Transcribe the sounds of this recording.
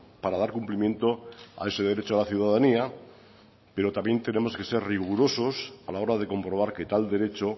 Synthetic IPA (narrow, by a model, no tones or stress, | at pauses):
paɾað̞aɾkumplimje̞nt̪o̞a̰e̞seð̞e̞ɾet͡ʃoalaθjuðaðania | pe̞ɾo̞t̪amje̞nt̪e̞ne̞mo̞ske̞se̞ɾriɣuɾo̞so̞salao̞ɾaðe̞ko̞mpɾo̞β̞aɾke̞t̪ald̪e̞ɾe̞t͡ʃo